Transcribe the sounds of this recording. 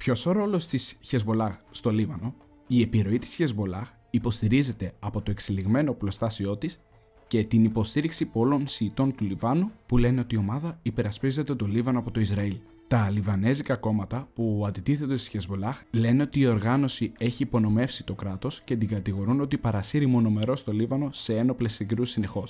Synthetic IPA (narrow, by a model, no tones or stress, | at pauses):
pço̞so̞ɾo̞lo̞st̪isçe̞zbo̞lɐxst̪o̞livɐno̞ | ie̞piɾo̞it̪i̥sçe̞zbo̞lɐx | ipo̞st̪iɾize̞t̪e̞ɐpo̞t̪o̞e̞ksiliɣme̞no̞plo̞st̪ɐsio̞t̪is | ce̞t̪inipo̞st̪iɾiksipolo̞nsiːt̪o̞nt̪ulivɐnupule̞ne̞o̞t̪io̞mɐðɐipe̞ɾɐspize̞t̪e̞t̪o̞livɐnoɐpo̞t̪o̞izɾɐil | t̪ɐlivɐne̞zikɐko̞mɐt̪ɐpuɐnd̪it̪iθe̞t̪e̞si̥çe̞zbo̞lɐxle̞ne̞o̞t̪iːo̞ɾɣɐno̞sie̞çiːpo̞no̞me̞fsit̪o̞kɾɐt̪o̞scet̪iŋɡɐt̪iɣo̞ɾuno̞t̪ipɐɾɐsiɾimo̞no̞me̞ɾo̞st̪o̞livɐno̞se̞eno̞ple̞siɡɾusine̞xo̞s